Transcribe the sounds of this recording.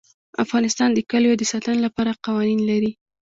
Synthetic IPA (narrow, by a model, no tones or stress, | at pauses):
a̰fɣɑnɪst̪ɑnd̪əkaljod̪əsɑt̪ənolapɑɾaqɑwɑninlaɾi